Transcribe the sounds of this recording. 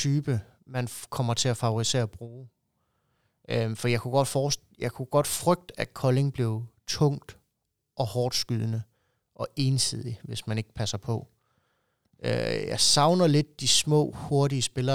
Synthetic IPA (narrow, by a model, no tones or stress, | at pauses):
t͡sʰyːb̥ə | mænkʰɒ̽m̰ɐt͡sʰe̝æfɑ̈ʊoʁise̝̰ːɐɒb̥ʁuː | ʔøfɒijɑ̈ɪkʰuɡ̥ɒ̽d̥fɒːs | jɑ̈ɪkʰuɡ̥ɒ̽d̥fʁœɡ̥̚d̥əæ̥kʰɒ̽le̝ŋb̥le̝ʊt͡sʰɔ̽ŋ̰d̥ | ʔɒ̽hɒːd̥sɡ̥yðˠənə | ʔɒ̽ʔe̝ːnsið̞̰ˠiʋe̝smæne̝ɡ̥̚pʰæsɐpʰɒ̽ | ʔø̰jɑ̈sɑ̈ʊnɐle̝d̥̚ːismɔ̰̽ːho̝ɐɾiəsb̥e̝lɐ